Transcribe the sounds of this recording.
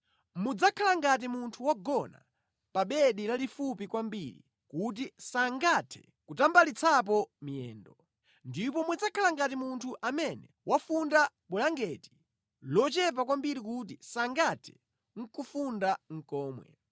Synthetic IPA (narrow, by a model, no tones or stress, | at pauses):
mud͡zakʰalaŋɡat̬imuntʰuwaɡɔna̰ | paɓɛɗilalifupikwambiɾḭ | kut̬isaŋɡatʰɛ̥̰ | kutambalit͡sʰap̬ɔmiɛ̰ːndɔ | ndip̬ɔmwud͡zakʰalaŋɡat̬imuntʰuʔamɛnɛ | wʔafunda | ɓulaŋɡɛti̥ | lɔt͡ʃɛp̬akwambiɾikutisaŋɡatʰɛ̥ | ŋ̩kufundaŋ̩kɔːmwɛ̰